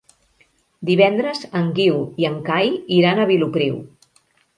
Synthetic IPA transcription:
d̪iβ̞ɛnd̪ɾəzəŋɡiwiəŋkajiɾanəβ̞ilupɾiw

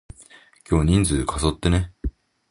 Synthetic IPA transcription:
kʲo̞ːɲ̟ĩnd͡zɨkʰaso̞t̪ːe̞ne

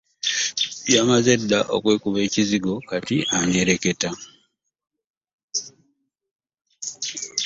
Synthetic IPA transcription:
jamazedːaʔo̰kwe̞ːkuβe̞ːciziɡo̞katiʔaɲeɾe̞ke̞ta

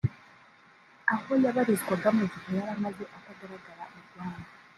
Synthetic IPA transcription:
ahojaβaɾizɡwaɡamuzikojaɾamazeʔakaɡaɾaɡaɾauɡwaːna

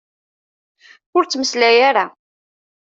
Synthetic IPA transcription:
ʊɾt͡sːməslæjaɾa

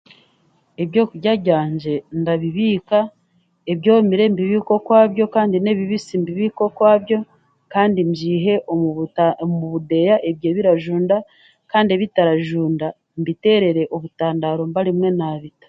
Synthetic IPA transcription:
e̞βjo̞ːkuɟaɟaːɲd͡ʒe̞ndaβiβiːka | e̞βjoːmiɾe̞mbiβiːko̞kwaːβjo̞kaːndine̞βiβisimbiβiːko̞kwaːβjo̞ | kaːndimd͡ʒiːɦe̞ʔ | muβude̞jaʔe̞βje̞ːβiɾaʒuːnda | kaːndieβitaɾaʒuːnda | mbite̞ɾe̞ɾe̞ʔoβutaːndaːɾo̞mbaɾimŋe̞naːβitḁ

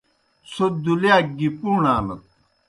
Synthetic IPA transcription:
sʰod̪uljaːɡipuːnaːlɐt̪̚

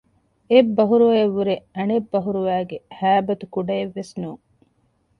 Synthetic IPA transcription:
ebːɐɦuɾuʋɐeʋːuɾeɐnebːɐɦuɾuʋæːɡehæːbɐt̪ukuɖɐeʋːesnuːŋ

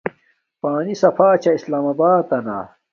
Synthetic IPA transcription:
paːnisɐfaːt͡ɕɐislaːmɐbaːɐna̰ː

